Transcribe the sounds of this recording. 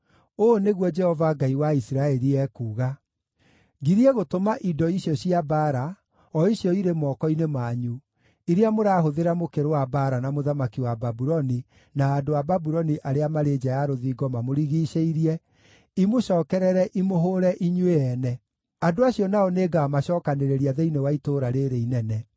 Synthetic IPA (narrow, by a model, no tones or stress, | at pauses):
oneɣwɔd͡ʒɛhɔvaɡaiwaisiɾaɛɾiɛkuːɣa | ɡiɾiɛɣotomaʔidɔiɕjɔɕiabaɾa | ɔiɕjɔiɾemɔkɔinemaːɲu | iɾeamoɾaːɦoðeɾamokeɾowabaɾanamoðamakiwababuɾɔni | naːdoababuɾɔniʔaɾeamaɾeːd͡ʑajaɾoðiːɡɔmamoɾiɣiːɕeiɾiɛ | imoɕɔːkɛɾɛɾɛʔimoɦoɾɛʔiɲweɛnɛ | adoaɕiɔnaɔneːɡaːmaɕɔːkaneɾeɾiaðɛinewaitoːɾaɾeɾeinɛnɛ